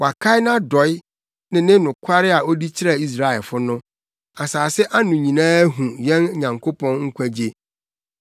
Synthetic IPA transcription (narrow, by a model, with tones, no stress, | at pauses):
wa˨kʰa˦ɪ˦nã˦dɔ˨˦ɪ˦ | nɪ̃˨nɪ̃˦nʊ̃˨kʰa˦ɾɪ˦a˨o˦di˦t͡ɕʰɪ˦ɾa˨i˦s̬ɾa˨ɛ˨lfʊ˦nʊ̃˦ | a˨saː˨sɪ˦ʔa˦nʊ̃˨ɲĩ˨nãː˦ɦũ˨jɛ̃˦n˦ɲã˨ŋkʰo˦pʰɔ̃˦nŋ̩˦kʰʷæ˦d͡ʑe˦